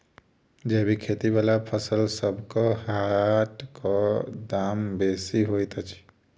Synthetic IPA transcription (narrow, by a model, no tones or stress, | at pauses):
d͡ʒebikʰet̪ibalapʰəsəlsəbkɔhaʈkɔd̪aːmbesiɦojt̪at͡ʃʰi̥